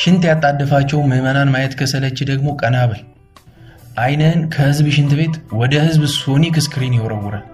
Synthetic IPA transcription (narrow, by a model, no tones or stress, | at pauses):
ʃɪnt̪jat̪ʼːad̪ːəfat͡ʃːɛwmɨmənanmajɛt̪kʰəsələt͡ʃːɪd̪əɡmo̞kʼənaβəl | ʔajnənkʰəhɨzbɨʃɪnt̪ɨβe̞t̪wɔd̪əhɨzbso̞nikɨskɨɾinjɛwɾəwːʊɾə